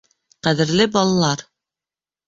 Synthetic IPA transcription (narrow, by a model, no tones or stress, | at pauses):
qæðɘ̆ɾlɘbɑlˠɑlˠɑɾ